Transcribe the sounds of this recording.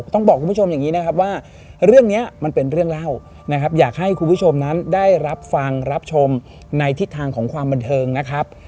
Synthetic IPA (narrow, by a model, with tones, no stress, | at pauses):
t̪ɔ˥˩ŋbɔː˨˩kʰu˧mʰpu˥˩o˧mjaː˨˩ŋːiː˦˥na˦˥kʰa˦˥p̬̚waː˥˩ | ɾɯ˥˩əŋni˦˥ɐma˧npe˧nɾɯ˥˩əŋla˥˩w | na˦˥kʰa˦˥p̬̚jaː˨˩k̚ha˥˩jkʰu˧npʰu˥˩t͡ɕʰo˧mna˦˥ndaː˥˩jɾa˦˥p̚fa˧ŋɾa˦˥p̚t͡ɕʰo˧m | na˧jt̪ʰi˦˥t̪ʰːaː˧ŋkʰɔː˩˦ŋkʰwaː˧mba˧nt̪ʰɤː˧ŋna˦˥kʰɾa˦˥p̚